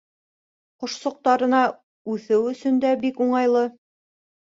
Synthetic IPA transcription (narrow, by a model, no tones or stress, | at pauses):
qŏʃsŏq̚t̪ɑɾɤ̆nɑ | ʉθɘwɵ̆sɵnd̪æbikuɴɑjlˠɤ